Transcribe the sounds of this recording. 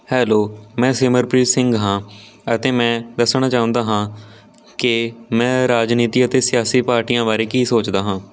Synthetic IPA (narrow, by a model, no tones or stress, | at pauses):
hɛːloːmɛ̃ːsɪməɾpɾiːsɪ̃ŋɡɦãː | ət̪eːmɛ̃ːd̪əsɳ̃aːt͡ʃaːʊ̃nd̪aːɦãː | kɪmɛ̃ːɾaːd͡ʒniːt̪iːət̪eːsɪjaːsiːpaːɾʈijãːbaːɾeːkiːsoːt͡ʃd̪aːɦãː